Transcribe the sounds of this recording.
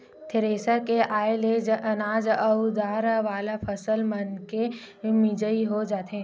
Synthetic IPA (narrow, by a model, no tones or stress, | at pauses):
t̪ʰɪɾeːsəkeʔaːeleɐnaːd͡ʒəʊd̪aːɾʋaːlapʰəsəlmənke | mɪd͡ʒəiɦod͡ʒaːt̪ɦẽ